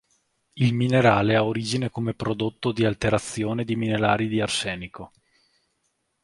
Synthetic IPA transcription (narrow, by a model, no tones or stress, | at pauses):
ilmineɾaːleaoɾiːd͡ʒinekomepɾod̪ot̪ːod̪ialt̪eɾat̪sːjoːned̪iminelaːɾid̪iarsɛːniko